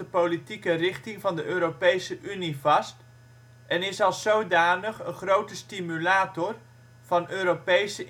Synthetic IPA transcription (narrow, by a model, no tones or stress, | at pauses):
əpowlitikərɪχtɪŋvɑndəʔøːɾopejsəʔynivɑst | ʔɛnɪsɑlˠsowdaːnəχənχrowtəstimylaːtɔr | v̥ɑnøːɾopejsə